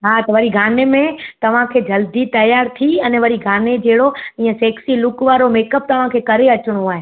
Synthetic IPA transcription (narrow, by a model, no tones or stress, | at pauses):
ɦaːt̪ɐʋɐɾiɡʱaːnemẽt̪ɐʋ̤ãkʰeːd͡ʑɐld̪it̪ɐjaːɾt̪ʰiɛnɛʋɐɾiɡʱaːned͡ʑeːɽoĩːə̃sɛːksilʊkʋaːɾomeːkəp̚t̪ɐʋ̤ãkʰeːkɐɾeɐt͡ɕɪɽ̃oaːɦeː